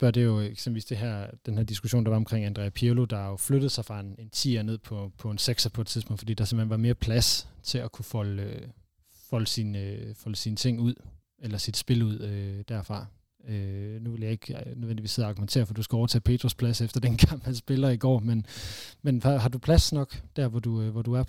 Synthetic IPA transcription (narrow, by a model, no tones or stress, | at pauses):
b̥ɶɐ̰d̥e̝jo̝eɡ̥semb̥l̩ʋḭsd̥e̝ɦæɐ̰d̥enhæɐd̥isɡ̥uɕo̝̰ːnd̥ɑ̈ʋɑ̈ɒ̽mkʰʁeŋ̰ænd̥ʁɛ̰pʰilod̥ɑ̈jo̝fløɾ̥ð̩ˠsɑ̈ɪfʁɑ̈e̝ne̝nt͡sʰḭːɐne̝ð̰ˠpʰɒ̽pʰɒ̽enseɡ̥sɐpʰɒ̽ed̥̚t͡sʰiðˠpʰɔ̽ŋ̰̥fɒdḭːd̥ɑ̈sem̥henʋɑ̈me̝ːɐpʰlæst͡sʰe̝lɒkʰufɒl | fɒ̽ləsinfɒ̽ləsinət͡sʰe̝ŋ̰uð̰ˠ | elɐsid̥sb̥e̝luð̰ˠød̥æɐfʁɑ̈ | ønuʋe̝ljɑ̈ɪe̝ɡ̥nøðˠʋendiʋḭːse̝ð̰ˠɑ̈ɡ̥ument͡sʰe̝ːɐfɒd̥usɡ̥æɒʊɐt͡sʰɛ̰ːpʰe̝̰ːd̥ʁuspʰlæsefd̥ɐd̥enkʰɑm̰b̥æsb̥e̝lɐiɡ̥ɒ̰ːmenmenɑɦɑ̈dupʰlæsnɒ̽ɡ̥d̥æɐ̰ʋɒd̥uʋɒd̥uæɐ